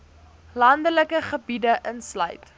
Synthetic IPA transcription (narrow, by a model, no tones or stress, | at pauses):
lɐndələkəχəbidəʔənslœ̰ɥt